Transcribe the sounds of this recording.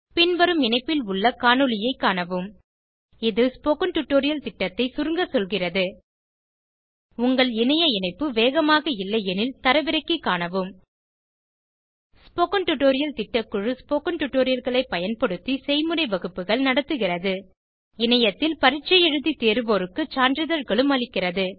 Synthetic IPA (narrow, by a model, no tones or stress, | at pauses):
pɪnʋɐɾɯmɪnɐɪpːɪlʊɭːɐkaːɳɯɭɪjɐɪkːaːɳɐʋɯm | ɪðɯspoːkɐnʈʊʈːoːɾɪjɐlt̪ɪʈːɐt̪ːɐɪsʊɾɯŋɡɐsɔlɣɪrɐðɯ | ʊŋɡɐɭɪnɐjɐɪnɐɪpːɯʋeːɣɐmaːɣɐɪlːɐɛnɪlt̪ɐɾɐʋɪɾɐɪkːɯkːaːnɐʋɯm | spoːkɐnʈʊʈːoːɾɪjɐlt̪ɪʈːɐkːɯɻɯspoːkɐnʈʊʈːoːɾɪjɐlɣɐɭɐɪpːɐjɐnpɐɽɯt̪ːisɛɪmɯɾɐɪʋɐɣɯpːɯɣɐɭnɐɽɐt̪ːɯɣɪrɐðɯ | ɪnɐjɐt̪ːɪlpɐɾɪt͡ʃːɐjɛɻɯðit̪eːɾɯʋoːɾɯkːɯt͡ʃaːndɾɪðɐɾɣɐɭɯmɐɭɪkːɪrɐðɯ